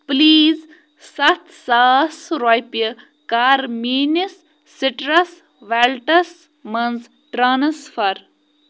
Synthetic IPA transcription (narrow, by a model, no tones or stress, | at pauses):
pliːz | sɐt̪ʰsaːsɾojpjə | kaːɾmiːnisː | ɪʈɾɐs | ʋɛlʈɐs | mɐnz | ʈɾaːnsfɐɾ